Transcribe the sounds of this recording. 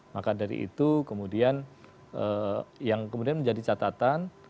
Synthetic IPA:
makadaɾḭʔḭt̪ukəmudian | əjaŋkəmudianməɲd͡ʒadit͡ʃat̪at̪an

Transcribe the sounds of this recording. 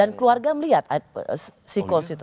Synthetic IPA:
ankluarɡaməliɦat̪assikɔsit̪

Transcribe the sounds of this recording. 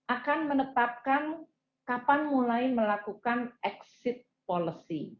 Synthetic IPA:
ʔakanmənət̪ap̚kan | kapanmulajməlakukanʔɛksɪt̪̚poləsi

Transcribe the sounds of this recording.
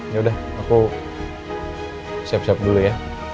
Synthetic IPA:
jaudah | aku | sɛp̚sɛp̚duluja

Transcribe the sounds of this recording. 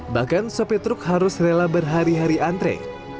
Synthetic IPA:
bahɡansopit̪ɾʊkɦaɾʊsrelabərɦaɾiɦaɾiant̪ɾɛ̰

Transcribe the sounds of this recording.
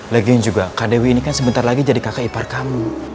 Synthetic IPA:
ləɡɛnd͡ʒuɡakadewiːnikansəbənt̪arlaɡid͡ʒadikakaiparkamu

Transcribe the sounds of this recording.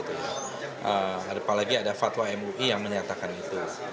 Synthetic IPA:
t̪uja | ʔəadapalaɡiadafaʔt̪waɛmuʔijaŋmə̃ɲat̪akanit̪u

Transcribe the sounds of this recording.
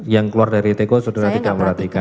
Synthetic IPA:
jaŋkəluardaɾit̪ekosudaɾat̪idaʔməɾat̪ika

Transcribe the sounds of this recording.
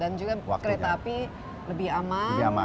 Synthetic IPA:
dand͡ʒuɡakəɾet̪aːpi | ləbɪhamaəbama

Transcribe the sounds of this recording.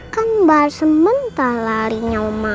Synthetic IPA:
kanbarsəmənt̪alaɾiɲawma

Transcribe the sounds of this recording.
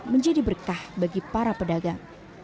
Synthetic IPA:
məɲd͡ʒadibərkahbaɡipaɾapədaɡaŋ

